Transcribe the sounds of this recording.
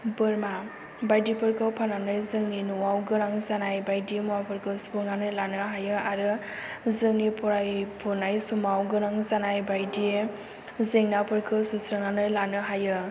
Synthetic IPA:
bɯɾma | bajdipʰɯɾkʰɯpʰananɯjzɯŋninuwawɡɯɾaŋzanajbajdiemɔwapʰɯɾkʰɯsu̥pɯnanɯlanɯɦajɯaɾɯ | zɯŋnipɔɾajpʰɔnajsumawɡɯɾaŋzanajbajdie | zeŋnapʰɯɾkʰɯsusɾɯŋnanɯjlanɯɦajɯ

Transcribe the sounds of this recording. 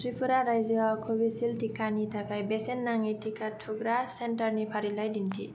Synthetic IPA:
sɾipʰuɾaɾajziakʰobisilʈikanit̪ʰakajbesenːaŋitʰikʰaʈʰuɡɾasenʈʌrnipʰaɾilajd̪int̪ʰḭ

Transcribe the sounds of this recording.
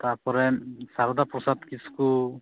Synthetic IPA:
t̪aɾpɔɾɛsaɾɔd̪apɾɔsat̪kisku

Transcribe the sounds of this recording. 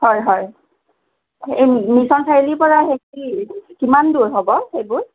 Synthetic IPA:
hɔjɦɔj | ejmisɔnsʰaɹilipɔɹaɦekikimanduɹɦɔbɔxejbʊɹ

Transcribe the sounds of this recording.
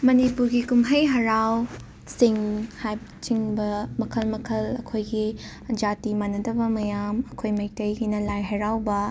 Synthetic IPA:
mɐnipuɾɡikumɦɐjɦɐɾaw | siŋhajb | t͡ʃiŋbɐmɐkʰɐlmɐkʰɐlɐ̰kʰojɡi | d͡ʒatimanːɐdɐbɐmɐjamɐkʰojmɐj̚tɐjɡinɐlajɦɐɾawbɐ

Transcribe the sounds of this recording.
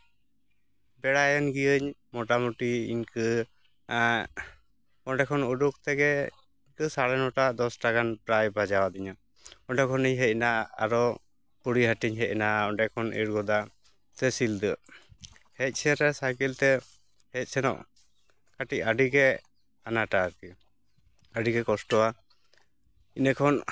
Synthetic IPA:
bɛɽajənɡijəɲmɔʈamuʈiḭɲkɨ | ɔɖɛkʰɔnuɖuk̚t̪ɛɡɛ | iɲkɯsaɽɛnɔʈad̪ɔsʈaɡanpɾajbad͡ʒawad̪iɲa | ɔɖɛkʰɔniɲɦɛc̚naa̰ɾɔ | puɽiɦaʈiɲɦɛc̚naɔɖɛkʰɔnḭɽɡɔd̪a | t̪ɛsild̪ə | hɛc̪̚ˀsʰɛɾɛsaɡilt̪ɛ | hɛc̪̚ˀsɛnɔ̰ʔ | kaʈic̚aɖiɡɛ | anaʈaːɾki | aɖiɡɛkɔsʈɔa | inəkʰɔn

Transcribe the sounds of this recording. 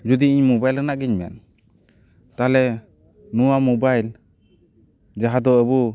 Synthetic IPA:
d͡ʒud̪iiɲmɔbajlɾɛnaʔɡiɲmɛ̰n | t̪alɛ | nuwamɔbajl | d͡ʒaɦad̪ɔəbu

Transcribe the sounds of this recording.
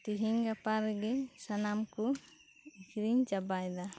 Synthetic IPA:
t̪iɦiɲɡapaɾɛɡɛsanamku | ikɾiɲd͡ʒabajd̪a

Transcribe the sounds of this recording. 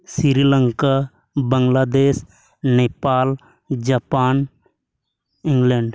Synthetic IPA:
siɾiləŋka | bəŋɡlaːd̪eːs | neːpaːl | d͡ʒapaːn | ɪ̃ŋɡleɳɖ

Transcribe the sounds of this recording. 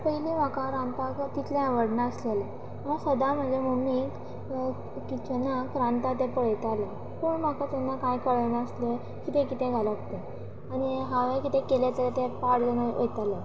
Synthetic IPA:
pəiliʋakaɾampakt̪it̪ʰlãaʋəɽnaəslele | asəd̪am̤əd͡zʱemumik | kit͡ɕənːakɾant̪at̪̬epəɭ̤əjt̪ale | poɳm̤akat̪enːakajkəɭənaəsle | kit̪ẽkit̪ẽɡʱaləkt̪e | añiɦaʋekit̪ẽkelet̪əɾt̪epaɽlənaʔḛjt̪ale

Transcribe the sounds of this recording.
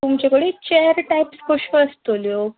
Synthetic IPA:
t̪umt͡ɕekəɽit͡ɕejəɾʈajpskoɕʋəəst̪oljo

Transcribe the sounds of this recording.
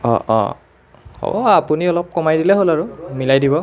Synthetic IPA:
ɔ̰̃ʔɔ̰̃ | ɔ̰apuniɔlɔp̚kɔmajdilɛɦolaɹumilajdibɔ

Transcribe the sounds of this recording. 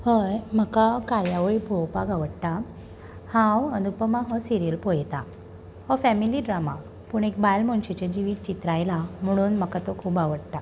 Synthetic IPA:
həjm̤əkakajaʋɭibʱowpaɡaʋəɽʈ̪a | hãwənd̪ʱupəmãɦɔsiɾijəlpojt̪a | hɔfɛmiliɖɾama | puɳekbajlmɔnɕit͡ɕed͡ʑiʋiːt̪̚t͡ɕit̪ɾajlam̤əɽ̃uːnm̤əkat̪okʰuːbaʋəɽt̪a

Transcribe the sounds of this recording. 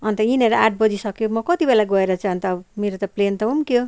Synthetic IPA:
ʌnt̪ʌineɾʌaʈ̚bʌd͡zisʌkjomʌkʌt̪ibelaɡʌeɾʌt͡sʰaʌnt̪ʌːbmeɾot̪ʌplent̪ʌɦumkjo

